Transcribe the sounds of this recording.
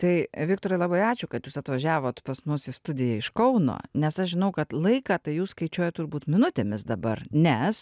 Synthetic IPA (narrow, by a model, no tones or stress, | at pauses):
t̪ɐɪʋʲɪkt̪oːɾɐɪlˠɑːbɐɪɑːt͡ʃʲʊkɐt̪juːsɐt̪ʋɐʒʲæːʋoːt̪pɐsmʊsɪst̪ʊd̪ʲɪjɛɪʃkɐʊno̰ːnʲɛsɐʃʒʲɪnɐʊkɐt̪lˠɐɪkɑːt̪ɐɪjuːsskɐɪt͡ʃʲuːjɛt̪ʊrbuːt̪mʲɪnʊt̪ʲeːmʲɪsd̪ɐbɐrnʲɛs